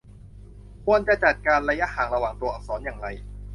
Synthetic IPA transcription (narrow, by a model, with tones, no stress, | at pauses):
kʰu˧ənt͡ɕa˨˩t͡ɕa˨˩t̪̚kaː˧nɾa˧ja˦˥haː˨˩ŋɾa˧waː˨˩ŋt̪u˧ɐʔɔː˨˩sɔː˩˦njaː˨˩ŋɾa˧j